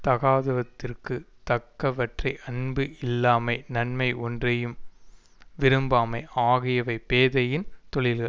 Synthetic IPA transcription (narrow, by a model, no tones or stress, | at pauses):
t̪ɐɣaːðɐʋɐt̪ːɪrkɯ | t̪ɐkːɐʋɐʈrɐɪʔɐnbɯʔɪlːaːmɐɪnɐnmɐɪʔɔndrɐjɯm | ʋɪɾɯmbaːmɐɪʔaːɣɪjɐʋɐɪpeːðɐjɪnt̪ɔɭɪlɣɐɭ